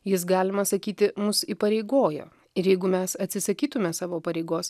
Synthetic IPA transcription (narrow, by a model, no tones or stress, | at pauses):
jɪs̬ɡɑːlʲɪmɐsɐkʲiːt̪ʲɪmʊsiːpɐɾʲɛɪɡoːjo̰ | ɪɾjɛɪɡʊmʲɛsɐt̪ʲsʲɪsɐkʲiːt̪ʊmʲɛsɑːʋoːpɐɾʲɛɪɡoːs